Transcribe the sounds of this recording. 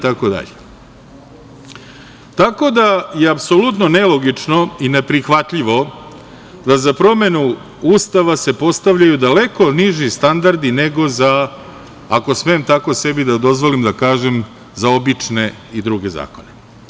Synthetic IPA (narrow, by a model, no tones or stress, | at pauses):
it̪ako̞d̪a̰ʎe | t̪ako̞d̪aje̞apso̞lut̪no̞ne̞lˠoɡit͡ʂno̞ine̞pɾixʋat̪ʎiʋo̞ | d̪azapɾo̞me̞nu | uːst̪aʋase̞po̞st̪aʋʎajud̪ale̞ko̞niʒist̪and̪aɾd̪ine̞ɡo̞zaː | ko̞smemt̪ako̞se̞bid̪ad̪o̞zʋo̞limd̪akaːʒem | zao̞bit͡ʂne̞id̪ɾuɡe̞za̰ːko̞ne̞